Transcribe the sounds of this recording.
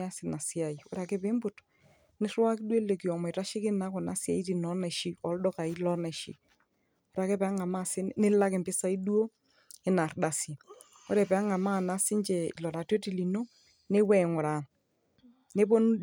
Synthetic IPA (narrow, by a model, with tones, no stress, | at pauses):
a˦sɪ˨na˨si˦a˨i˨ʊ̰˦ɾa˨kɪ˦pɪ˦mbʊ˨t | nɪ˦rwa˦kdwe˦le˨ki˨ɔ˨mɔ˨i˨ɾa˦ʃɪ˦kɪ˦na˦kʊ˨na̰˨˦sja̰˨i˦t̬i˨nɔ˦na˨ʃi˨ɔ˨˦ldɔ˦ka˨i˦lɔ˦na˨ʃḭ˨ | o˦ɾa˨ke˦pɛ˨a˦ŋa˨ma˦˨sɪ˦nɪ˦la˦kɪ˨mpɪ˦sa˦i˦du˦o˦ | ɪ˨na˨rda˨si˨ | ʊ̰˦ɾɛ˨pɛ˨a˦ŋa˨ma˦˨na˦sɪ˦ɲt͡ʃɛ˨ḭ˨lɔ˨ɾa˨twe˦ti˨li˨no˦ | ne˦wɛ˨ŋʊ˨ɾa˨ | ne˦bo˦n